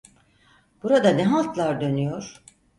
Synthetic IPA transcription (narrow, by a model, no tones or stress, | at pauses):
b̥uɾad̪anɛɦalˠt̪lˠaɾd̪ø̞nyjo̞ɾ̥